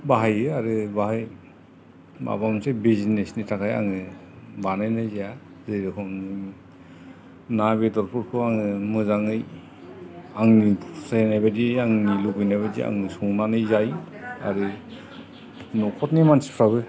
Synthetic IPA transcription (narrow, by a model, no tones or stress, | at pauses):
baɦajɯaɾɯbaɦaj | ba̰bamsebizinesnitʰakaja̰ŋɯ | banajnajzija | zɯjɾɯkʰɔnɯ | naβedɔɾpʰuɾkʰɯaŋɯmɯzaŋɯj | aŋnisanajbadiaŋnilubɯjnajβadḭa̰ŋɯsuŋnanɯjzaja̰ɾɯ | nɔkʰɔtnimansi̥pʰɾaβɯ